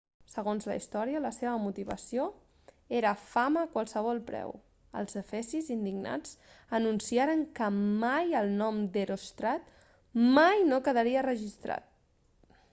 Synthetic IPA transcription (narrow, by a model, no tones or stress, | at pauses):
səɣ̞onzlə̰ḭst̪ɔɾiələseβ̞əmut̪iβ̞ə̰sio | eɾəfaməːkwalˠsəβ̞ɔlˠpɾɛ̰w | ə̰lˠzəfɛsizind̪iɡna̰d͡z | ənunsiaɾəŋkəmajəlˠnɔmd̪eɾost̪ɾat̪ | majnokəðəɾiərəʒist̪ɾa̰t̪̚